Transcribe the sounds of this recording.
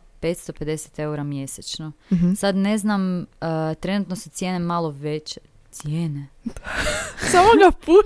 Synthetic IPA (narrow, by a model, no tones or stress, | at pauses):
pet̪st̪ope̞d̪eset̪e̞uɾamje̞set͡ʃnosad̪ne̞znamət̪ɾe̞nut̪nosut̪sje̞ːnemalˠo̞ʋet͡ɕe | t̪sjeːne̥ | samoɡapuː